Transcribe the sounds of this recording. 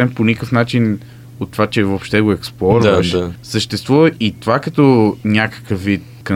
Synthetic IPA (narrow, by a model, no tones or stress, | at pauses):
ɛmponʲikəfnat͡ʃin | ot̪ːovat͡ʃɛvopʃt̪ɛɡoɛksplˠɔɾvəʃsəʃt̪ɛst̪vuvəʔit̪ovakɐt̪ɔnʲakə̥kəfvːit̪̚kɐ